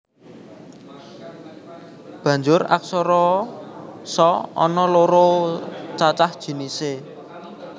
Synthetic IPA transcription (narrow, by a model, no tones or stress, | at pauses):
b̥ä̤ɲd͡ʒʊɾa̰k̚sɔɾɔ | sɔɔ̰nɔloɾot͡ʃat͡ʃahd̥ʒ̥i̤nise